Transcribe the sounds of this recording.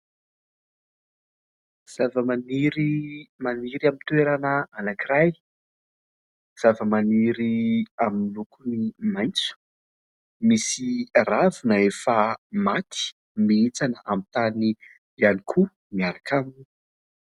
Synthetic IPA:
z̥avəmaniɾimaniɾiamint̪uweɾanəanakiraj | z̥avəmaniɾiaminilukunimajnt͡su̥ | misiravinəefəmat̪ʰi̥ | miet͡sanəʔamit̪ani | ianikʰu | miaɾakʰamni

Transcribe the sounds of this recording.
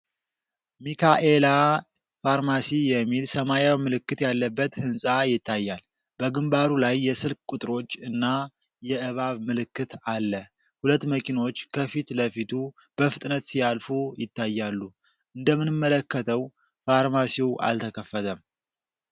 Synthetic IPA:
mikʰaʔela | faɾmasijɛmːilsəmajawmɨlɨkːɨt̪jalːəbːət̪hɨnsʼajɪt̪ʰːajːal | bəɡɨmbaɾulajːɛsɨlkkʼut̪ʼɨɾo̞t͡ʃːɨnːa | jɛʔɨβaβmɨlɨkːɨt̪alːə | hulət̪ːməkʼino̞t͡ʃːkʰəfit̪ləfit̪ʰu | b̥əfɨt̪ʼnət̪sijalfujɪt̪ʰːajːalːu | ʔɨnd̪əmːɨnɨmːələkːət̪ʰəw | faɾmasiwʔa̰lt̪ʰəkʰəfːət̪ʰəm

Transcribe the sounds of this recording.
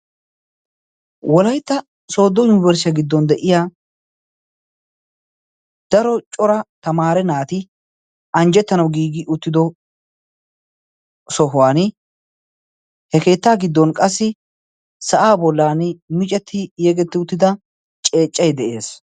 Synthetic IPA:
wɔlɐjt̪ːɐ | so̞ːd̪ːɔjʊnɪbɛɾsɪɐɡɪd̪ːɔnd̪ɛʔɪjaː | d̪̥ɐɾɔt͡ʃʼɔɾɐt̪ɐmaːɾɛnaːt̪ɪ | ɐnd͡ʒɛt̪ːɐnɐwɡiːɡɪʔʊt̪ːɪd̪ɔ | sɔɦʊwaːn | hɛke̞ːt̪ːaːɡɪd̪ːɔnkʼɐsːɪ | sɐʔaːbɔlːaːnmɪt͡ʃʼɛt̪ʰːɪjeːɡɛt̪ːɪʊt̪ːɪd̪ɐ | t͡ʃʼe̞ːt͡ʃʼːɐjd̪ɛʔe̞ːs

